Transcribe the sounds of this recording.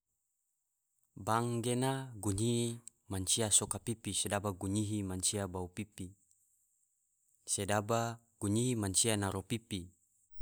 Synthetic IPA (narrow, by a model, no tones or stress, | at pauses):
baŋɡenaɡuɲii | maɲt͡ʃiasokapipisedabaɡuɲiɦimaɲt͡ʃiabaupipi | sedaba | ɡ̥uɲiɦimaɲt͡ʃianaɾopipi